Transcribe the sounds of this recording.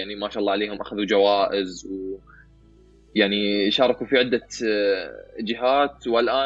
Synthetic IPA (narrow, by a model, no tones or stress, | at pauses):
aʕnimaːʃaʔɑlˤːɑːʕaleːhʊmʔaxaðud͡ʒawaːʔɪzw | jaʕniʃɑːɾˤɑkufiʕɪd̪ːa | d͡ʒɪɦaːt̪walʔaː